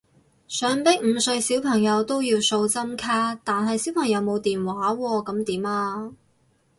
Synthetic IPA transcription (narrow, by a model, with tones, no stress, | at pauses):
sœː˨˥ŋpɪ˥k̚m̩˨˧sɵ˧ɥsi˨˥wpʰɐ˨˩ŋjɐ˨˧wt̪o˥wjiː˧wso˧wt͡sɐ˥mkʰaː˥t̪aː˨nɦɐ˨jsi˨˥wpʰɐ˨˩ŋjɐ˨˧wmo˨˧wt̪iː˨nwaː˨˥wɔː˧kɐ˨˥mt̪iː˨˥maː˧